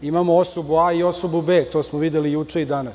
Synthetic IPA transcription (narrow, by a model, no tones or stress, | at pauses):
imaːmoosobuaːio̞sobube̞ːt̪o̞ːsmoʋid̪elijuːt͡ʂeid̪ana